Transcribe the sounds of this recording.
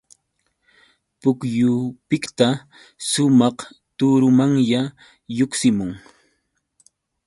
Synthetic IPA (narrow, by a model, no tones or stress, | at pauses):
pʊkjʊpɪkt̪a | ʃʊmɑχ | t̪ʊɾʊmaŋja | joksɪmʊŋ